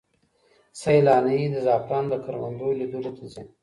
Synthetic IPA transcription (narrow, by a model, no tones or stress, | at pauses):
sajlɑːnaid̪əzɑːpɾɑːnd̪əkaɾwa̰nd̪olid̪əlot̪ʰazen